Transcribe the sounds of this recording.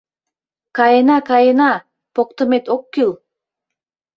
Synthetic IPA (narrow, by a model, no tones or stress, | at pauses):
kɑjenɑkɑjenɑ | pok̚t̪ə̆met̪okːyl